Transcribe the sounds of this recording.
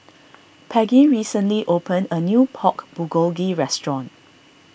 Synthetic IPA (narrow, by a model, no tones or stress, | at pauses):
pʰɛɡiɹisə̃nliʔopʰə̃nənjupʰɔkb̥uɡolɡiɹɛstɹɔ̃n